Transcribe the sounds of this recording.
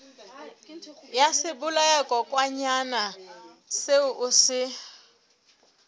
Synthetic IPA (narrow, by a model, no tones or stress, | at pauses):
jasɪbʊlaɛkɔkʼwaɲana | seʊʔusɪ